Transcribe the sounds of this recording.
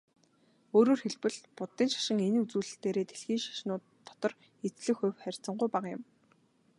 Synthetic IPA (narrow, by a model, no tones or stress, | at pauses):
oːɾoːrxeɮpɘ̆ɮpʊt̪ːiːnʃḁʃɪ̆ŋenut͡suːɮ̆ɬt̪eːɾeːt̪ʰeɮxiːŋʃḁʃnʊːt̪ʰːɔ̥t̪ɞ̆r | et͡sɮɘ̆xʊ̟wχærʲt͡sə̆ɴɢʊjpaqjɪ̆m